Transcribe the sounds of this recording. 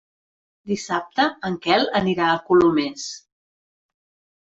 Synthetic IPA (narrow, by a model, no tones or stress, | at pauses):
d̪isap̚t̪əəŋkɛlˠəniɾaəkulumɛs